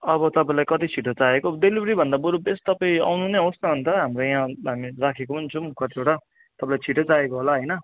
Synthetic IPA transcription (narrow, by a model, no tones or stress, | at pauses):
ʌβʌt̪ʌpaĩlajkʌt̪it͡sʰiʈot͡saekoɖelibɾibʱʌnd̪aboɾubest̪ʌpaĩa̰wnuneɦosnʌbʱʌnt̪ʌɦamrojaãɦamirakʰekomʌnt͡sʰʌ̃kʌʈ̪ioʈa | t̪ʌpãĩlajt͡sʰiʈot͡saekoɦolaɦʌjnʌ